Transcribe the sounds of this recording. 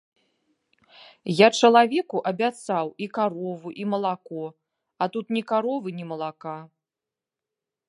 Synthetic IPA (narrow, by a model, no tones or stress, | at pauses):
jat͡ʂɐlˠavʲɛkuʔɐbʲat̪sawikaɾɔvuʔimɐlˠakɔ | at̪ut̪nʲikaɾɔvɨnʲɛmɐlˠaka